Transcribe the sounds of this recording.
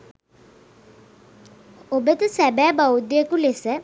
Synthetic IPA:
obət̪əsæbæːbawd̪jəkulesə

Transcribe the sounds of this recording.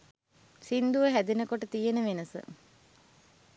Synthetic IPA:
sind̪uʋəɦæd̪inəkoʈət̪ijenəʋenəsə̰

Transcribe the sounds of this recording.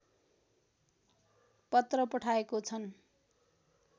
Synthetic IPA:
pʌt̪rʌpʌʈʰaekot͡sʰʌn

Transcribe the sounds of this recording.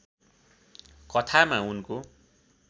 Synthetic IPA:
kʌt̪ʰamaunko

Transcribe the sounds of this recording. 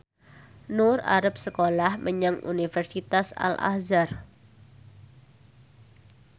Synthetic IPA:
nʊra̰ɾəp̚səkolahməɲəŋʔṵnifɛrsit̪asa̰lʔa̰hzar

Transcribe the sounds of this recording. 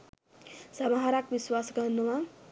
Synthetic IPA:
samaɦaɾakbiswasɡʌnd̪uma

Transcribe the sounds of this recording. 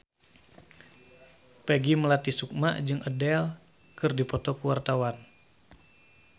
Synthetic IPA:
pɛɡiməlat̪isuk̚ma̰ʔd͡ʒɨŋʔədɛl | kɨrdipɔt̪ɔkuwart̪awan

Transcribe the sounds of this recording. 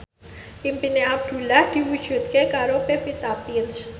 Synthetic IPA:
ʔimpineʔab̚d̪̥ṳlahd̪̥i̤wud̥ʒ̥ṳt̪̚kekaɾopefit̪apins

